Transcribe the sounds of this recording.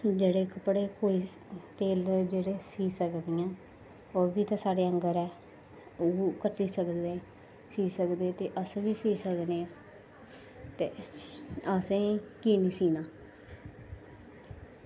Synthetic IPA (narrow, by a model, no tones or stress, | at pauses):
d͡ʒeːɽeːkəpɽeːkoːiːt̪eːld͡ʒeːɽeːsiːsəkd̪ɪjãː | oːʋiːt̪ãːsaːɽeːəŋɡəɾɛː | oːkəʈiːsəkeː | siːsəkd̪eːt̪eːʔəsʋiːsiːsəkneː | t̪eː | əsẽːkiːniːsiːnaː